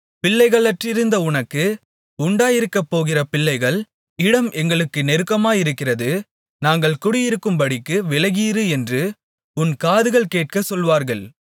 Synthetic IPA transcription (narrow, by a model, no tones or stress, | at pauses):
pɪɭːɐɪɣɐɭɐʈrɪɾɯnd̪ɐʊɳɐkːɯ | ʊɳɖaːjɪɾɯkːɐpːoːɣɪrɐpɪɭːɐɪɣɐɭ | ɪɽɐmʔɛŋɡɐɭɯkːɯnɛɾɯkːɐmaːjɪɾɯkːɪrɐðɯ | naːŋɡɐɭkʊɽɪjɪɾɯkːɯmpɐɽɪkːɯʋɪlɐɣiːɾɯɛndrɯ | ʊnkaːðɯɣɐɭkeːʈ̚kɐsɔlʋaːɾɣɐɭ